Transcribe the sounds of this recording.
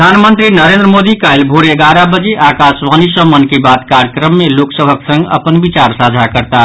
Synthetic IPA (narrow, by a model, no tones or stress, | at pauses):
d̪ʱanmənt̪ɾinəɾẽnd̪ɾəmod̪ikajlbʱoɾeɡaɾabəd͡ʒeʔakasʋanisəmːənkebat̪kaɾjəkɾəmːeloksəbʱəksə̃ŋɡə̰pənbit͡ʃaɾsad͡ʒʱakəɾt̪a